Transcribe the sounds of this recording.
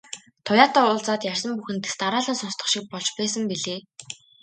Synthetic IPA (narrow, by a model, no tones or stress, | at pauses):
t̪ʰʊjaːt̪aːʊːɮt͡saːt̪jærʲsə̆mpuxɘ̆nt̪e̥st̪aɾaːɮə̆nsɔnst̪ə̆χʃik̚pɔɮt͡ɕpæːs̬ə̆mpiɮeː